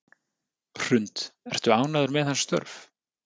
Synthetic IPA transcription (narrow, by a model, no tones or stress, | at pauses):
r̥ʏnt̪ɛr̥t̪ʏaːwnaðʏɾmɛðhanst̪œ̰ɾf